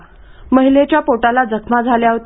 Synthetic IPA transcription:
məɦilet͡ɕjapoʈalad͡zʱəkʰmad͡zʱaljaɦt̪

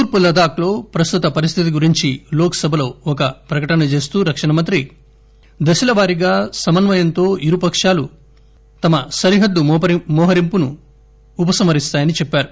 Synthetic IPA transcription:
t̪uːɾpulɐd̪aːklo̞ːpɾɐst̪ut̪ɐpɐɾist̪ʰit̪iɡuɾiɲt͡ʃiloːkɐ̥sɐbʱɐlo̞ːɔkɐpɾɐkɐʈɐnɐt͡ʃe̞ːst̪uːɾɐkʂɐɳɐmɐnt̪ɾi | d̪ɐsilɐʋaːɾiɡaːsɐmɐnʋɐjɐnt̪o̞ːiɾupɐkʂaːlu | t̪ɐmɐsɐɾiɦɐd̪ːumɔːɦɐɾimpunuː | pɐsɐmɐɾist̪aːjɐnit͡ʃɛpːaːɾu

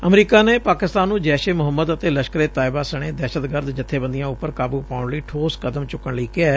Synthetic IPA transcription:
əmɾiːkaːneːpaːkɪst̪aːnːũːd͡ʒɛːʃeːmʊɦəmːəd̪ət̪eːləʃkəɾeːt̪aːɪbaːsəɽ̃eːd̪ɛːʃət̪ɡəɾd̪d͡ʒɪt̪ʰːeːbənd̪ɪjãːʊpːəɾkaːbuːpaːʊɳləiːʈʰoːskəd̪əmt͡ʃʊkːəɳləiːkɪɛː

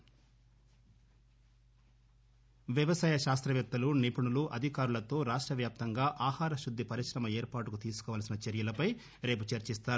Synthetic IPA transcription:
ʋjɐʋɐsaːjɐʃaːst̪ɾɐʋjɐt̪ːɐlunipuɳuluʔɐd̪ʱikaːɾulɐt̪o̞ːɾaːʂʈɾɐʋjaːp̚t̪ɐŋɡaːʔaːhaːɾɐʃud̪ʱːipɐɾiʃɾɐmɐe̞ːɾpaːʈukut̪iːsu̥kɔːʋɐːlɐsinɐt͡ʃeɾjɐlɐpɐj | ɾe̞ːp̬ut͡ʃɐɾt͡ʃist̪aːɾu

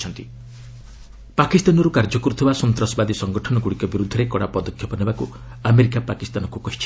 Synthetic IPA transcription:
t͡ʃʰɔnt̪i | pakist̪anɔɾukaɾd͡ʒɔkɔɾut̪ʰibasɔnt̪ɾɔsɔbad̪isɔŋɡɔʈʰɔnɔkuɽikɔbiɾud̪ʱːɔɾekɔɽapɔd̪ɔkʰjɔpɔnebaku | ameɾikapakist̪anɔkukɔɦit͡ʃʰi̥

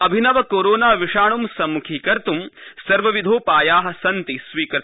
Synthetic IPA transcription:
ɐbʱinɐʋɐkoːɾoːnaːʋiʂaːɳumsɐmːukʰiːkɐɾt̪umsɐɾʋɐʋid̪ʱoːpaːjaːɦɐsɐnt̪isʋiːkɐɾ

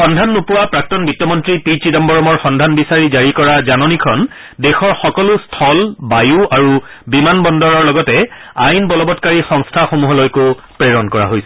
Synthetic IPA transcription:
xɔndʱanːupuwapɹak̚tɔnbitjɔmɔntɹipit͡ʃidɔmbɔɹɔmɔɹxɔndʱanbisaɹizaɹikɔɹazanɔnikʰɔn | dɛxɔɹxɔkɔlustʰɔlbajuaɹubimanbɔndɔɹɔɹlɔɡɔtɛajnbɔlɔbɔtkaɹixɔŋstʰaxomuɦɔlojko | pɹeɹɔnkɔɹa̰ɦojsɛ

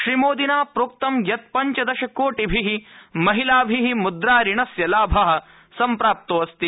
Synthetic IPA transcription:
ʃɾimoːd̪inaːpɾuːk̚t̪ɐmjɐt̪̚pɐɲt͡ʃɐd̪ɐʃɐkoːʈibʱiɦimɐɦilaːbʱiɦimud̪ɾaːɾiɳɐsjɐlaːbʱɐɦɐ̆ | sɐmpɾaːp̚t̪ɐʋɐst̪i

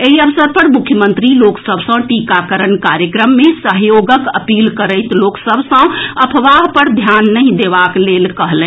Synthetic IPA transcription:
eɦiəbsəɾpəɾmukʰjəmənt̪ɾiloksəbʱsə̃ʈikakəɾənkaɾjəkɾəmːesəɦjoɡəkəpilkəɾəɪt̪loksəbʱsə̃əpʰʋaɦpəɾd̪ʱjanːəɦĩd̪ebaklelkəɦlɛ̃

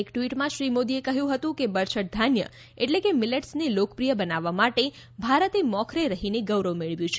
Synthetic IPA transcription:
ekʈʋiʈmãʃɾimod̪iekəɦjũɦət̪ũkebəɾʃəʈ̚d̪ʱanjə̰ | eʈlekemileʈsnelokəpɾijəbənaʋːamaʈe | bʱaɾət̪emɔkʰɾeɾəɦineɡəʋɾəʋmeɭʋjõt͡ʃʰe

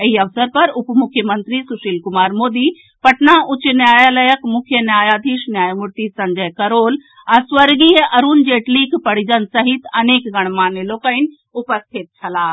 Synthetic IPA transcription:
əɦiɐʋsəɾpɐɾʊpmʊkʰjəmənt̪ɾisuʃiːlkʊmaːɾmoːd̪i | pɐʈnaʊt͡ʃnjaːjaləjəkmʊkʰjənjaːjaːd̪ʱiʃnjaːjmuɾt̪isɐɲd͡ʒəjkɐɾoːl | asʋəɾɡiːɦʔɐɾund͡ʒeːʈlikʰpɐɽ̤id͡ʒənsɐɦit̪ɐneːkɡɐɽ̃maːneloːkəɪn | ʊpəst̪ʰit̪̚t͡ʃʰɐlaː

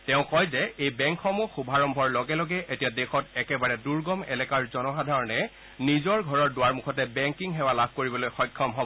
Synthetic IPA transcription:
tɛʊ̃kɔjzɛejbɛŋkxɔmʊxubʱaɹɔmbʱɔɹlɔɡɛlɔɡɛʔetijadexɔtɛkɛbaɹɛduɹɡɔmɛ̰lɛkaɹzɔnɔxadʱaɹɔnɛ | nizɔɹɡʱɔɹɔɹdʊwaɹmukʰɔt̬ɛbɛŋkiŋɦɛwalabʱkoɹibɔlojxɔjkʰːɔmɦɔbɔɔ

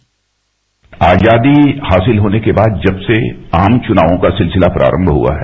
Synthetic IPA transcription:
aːd͡ʒjaːd̪ihaːsɪlɦoːnekebaːd̪̚d͡ʒɐbseaːmt͡ʃʊnaːʋõkasɪlsɪlapɾʔa̰ːɾə̃mbʱɦṵa̰ɦɛː

